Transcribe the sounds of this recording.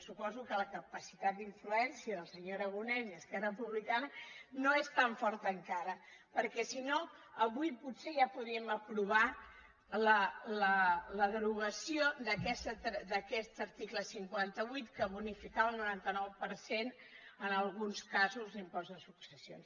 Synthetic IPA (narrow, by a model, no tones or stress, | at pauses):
supɔzukələkəpəsit̪at̪̚d̪iɱfluɛnsiəðəlˠsəɲoɾəɣunɛniəskɛrəpuβlikanənoest̪aɱfɔɾt̪əːŋkaɾə | pəɾkɛsino | əβujput̪seʒapuðɾiəməpɾuβ̞a | lələləðɾuɣəsiod̪əkɛst̪d̪əkɛst̪əɾt̪ikləsiŋkwant̪əβujt̪kəβunifikaβəlˠnuɾant̪ənɔwpəɾsen | ənəlˠɣunskazuzlimpɔzðəsuksəsio̰ns